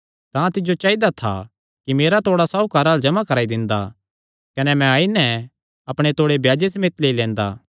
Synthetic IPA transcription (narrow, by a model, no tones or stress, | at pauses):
t̪ãt̪ɪd͡ʒot͡ʃaːid̪at̪ʰa̰ | kimeːɾat̪oːɽasaːukɐɾald͡ʒɐmakɐɾaːid̪ɪ̃nd̪a̰ | kɐnɛmɛ̃aːinɛ | ɐpɽ̃et̪oːɽebʱjaːd͡ʒes̬ɐmeːt̪leːilɛ̃ːnd̪a̰ː